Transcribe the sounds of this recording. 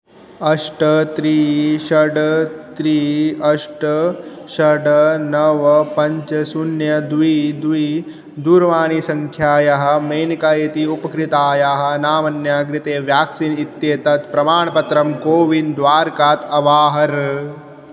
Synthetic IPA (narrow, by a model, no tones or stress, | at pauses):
ɐʂʈɐt̪ɾiːʃɐɖt̪ɾiːɐʂʈɐʃɐɖɐnɐʋɐpɐɲt͡ʃɐsunjɐd̪ʋiːd̪ʋiː | d̪uːɾɐʋaːnisɐŋkʰjaːjɐɦɐ̆mɐːnikaːjɐt̪iupɐkɾit̪aːjaːɦɐ̆naːmɐnjaːɡɾɪt̪eːʋjaːksinit̪jeːt̪ɐt̪pɾɐmaːɳɐpɐt̪ɾɐmkoːʋind̪ʋaːɾkaːt̪ɐʋaːɦɐɾ